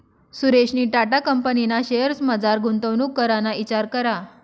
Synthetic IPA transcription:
suɾeɕniːʈaʈakəmpəninaɕejəɾsməd͡zaɾɡʱunt̪əʋnukːəɾanait͡ɕaɾkəɾa

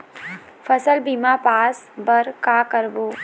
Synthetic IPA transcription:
fəsəlbimaːpaːsbəɾkaːkəɾboː

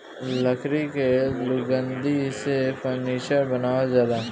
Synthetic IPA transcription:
ləkʰɾikelʊɡə̃nd̪isepəɾniːʃəɾbənaːazjaːd̪aː

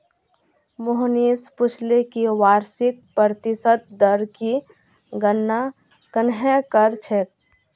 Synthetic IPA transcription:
mʊɦniːspʊt͡ʃʰlekiwaːɾsɪk̚pəɾt̪ɪsət̪̚d̪əɾki | ɡənːa | kənɦɛ̃kəɾt͡ʃʰek̚

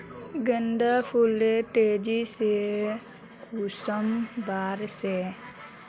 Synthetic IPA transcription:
ɡənd̪apʰuleʈeːd͡ʒise | kusəmbaːɾse

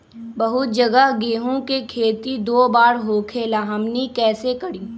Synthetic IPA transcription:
bɐɦʊt̪̚d͡ʒɐɡəɦɡeːɦõkekʰeːt̪id̪oːbaːɾɦoːkʰeːlaɦɐmnikɛːsekɐɽiː

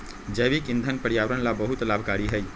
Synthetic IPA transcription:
d͡ʒəʋikɪ̃nd̪ʱənpəɾjaʋɾənlabəɦut̪laːbʱkaɾiɦəj

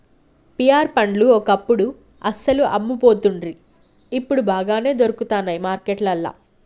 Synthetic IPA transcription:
pijaːɾpɐɳɖluɔkɐpːuɽu | ɐsɐluʔɐ̰mːupo̞ːt̪uɳɖɾi | ipːuɽubaːɡaːne̞ːd̪o̞ɾukut̪aːnːɐjmaːɾkeʈlɐlːa̰ː

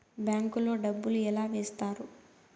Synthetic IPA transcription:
bjaːŋkulo̞ːɖɐbːuluɛlaːʋeːst̪aːɾu

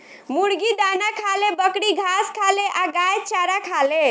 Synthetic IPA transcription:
muɽɡid̪anakʰalebəkɽiɡʱaskʰaleʔaɡajt͡ʃaɾakʰale

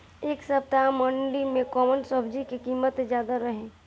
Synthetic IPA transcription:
eːksəp̚t̪aməɳɖimẽkɔːmənsɔːbd͡ʒikikiːmət̪d͡ʒjaːd̪aɾəɦẽː

